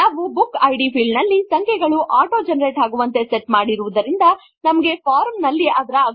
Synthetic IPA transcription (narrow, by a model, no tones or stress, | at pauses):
naːʋubukːɐjɖipʰilnɐlːisɐŋkʰɛɡɐɭuʔaːʈoːd͡ʒɐnɐɾeːʈaːɡuʋɐnt̪e̞seʈmaːɽiɾuʋud̪ɐɾind̪ɐ | nɐmɐɡe̞pʰaːɾmnɐlːiʔɐd̪ɐɾɐɐ